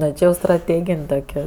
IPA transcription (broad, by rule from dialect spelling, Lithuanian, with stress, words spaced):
ˈnʲɛ ˈt͡ʃʲɪ jɛʊ strɐˈtʲeːɡʲɪnʲ dɐʊˈɡʲɛʊ